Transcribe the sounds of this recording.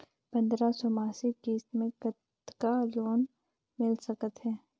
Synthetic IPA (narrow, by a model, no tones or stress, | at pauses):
pɐ̃nd̪ɾasɔmaːsiɡiːst̪mẽkət̪ | kaloːn | mɪlsəkət̪ɦɛː